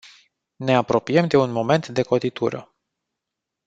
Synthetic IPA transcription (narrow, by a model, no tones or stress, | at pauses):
ne̞apɾo̞pijemd̪e̞unmo̞me̞nt̪d̪e̞ko̞t̪it̪ṵɾə̰